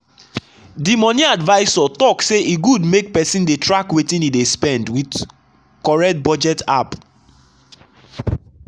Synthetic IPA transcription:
dimɔniadvaɪsɔtɔkseʔiɡudmek̚pɛsĩndetɹakwetĩnidespɛ̃ndwid | kɔɹɛk̚t̚bɔd͡ʒɛtap

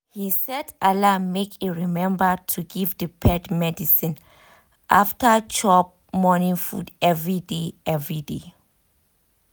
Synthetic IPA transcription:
hisɛdalamekʰiɹimɛ̃mbətʰuɡivdəpʰɛdmɛdisĩn | ʔaftət͡ʃɔp̚mɔnĩŋfṵdɛvɹideɛvɹide

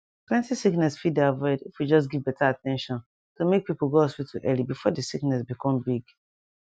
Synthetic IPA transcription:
plɛ̃ntisiknɛsfidaɪvɛdifwid͡ʒɔs̬ɡivbɛtʰaatʰɛ̃nʃɔ̃n | tʰomek̚pipl̩ɡoaswitʰuʔɛlibifɔdəsiknɛs̬bikʰɔ̃mbiɡ

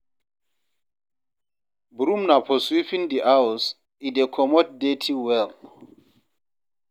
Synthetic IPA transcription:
buɾumnapʰɔswifindiʔaws | idekʰɔmɔt̚detʰiwɛl

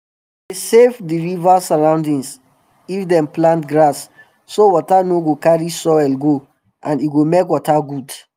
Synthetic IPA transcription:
desevdiɹivasaɹãʊ̃ndĩŋs | ifdɛ̃mplãntɡɹasː | owɔtanoɡokaɹisɔɛlɡo | ʔãniɡomekwɔtaɡud

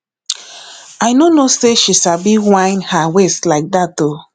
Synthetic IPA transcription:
ajnonoseʃiʃabiwãɪ̃nhaweslaɪk̚dato

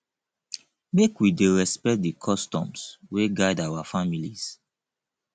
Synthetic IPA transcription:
mekwideɹɛspɛkt̚dikʰɔstɔ̰̃msweɡaɪdawafamilis

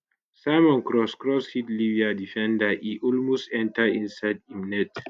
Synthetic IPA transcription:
saɪmɔ̃nkɹɔskɹɔshitliviadifɛ̃ndaʔiʔɔlmostɛ̃ntəĩnsaɪdimnɛt

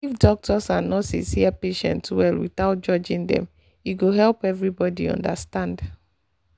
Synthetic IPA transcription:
ifdɔk̚tʰɔsãnɔsḭ̃siapeʃɛ̰̃ntwɛlwḭtaʊt̚d͡ʒɔd͡ʒĩndɛ̰̃m | juɡoɦɛlpɛvɹibɔdḭɔ̰̃ndastãnd

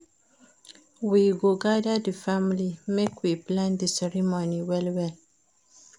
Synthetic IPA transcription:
wiɡoɡadad̪əfamlimekwiplãnd̪əsɛɾimoniwɛlwɛl

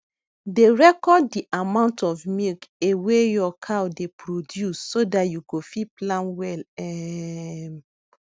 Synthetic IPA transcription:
deɹɛkɔdːiʔamãʊ̃ntɔfmilkewejɔkʰawdepʰɹodjusːodatjuɡofiplãnwɛlɛ

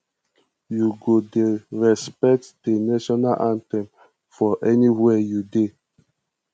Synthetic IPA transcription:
juɡodeɹɛspɛk̚td̥enaʃɔnaʔãntɛ̃m | fɔʔɛniwɛjude

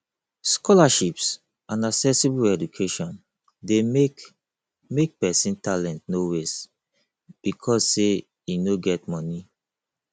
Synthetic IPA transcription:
skʰɔlaʃips | ãnaksɛsibuɛd͡ʒukʰeʃɔ̃n | de | mek̚pɛsĩntalɛ̃ntnowes | b̥ikʰɔsse | inoɡɛt̚mɔni

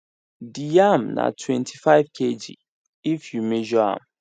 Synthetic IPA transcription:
dijamna̰tʰwɛ̃ntʰifaɪvkʰed͡ʒḭ | ifjumɛʒɔã̰m

